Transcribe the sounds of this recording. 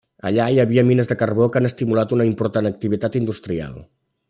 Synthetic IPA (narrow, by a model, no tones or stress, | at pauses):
ə̰ʎaiəβiəminəzðəkərβokanəst̪imulat̪unəimpuɾt̪anək̚t̪iβit̪at̪ind̪ust̪ɾia̰lˠ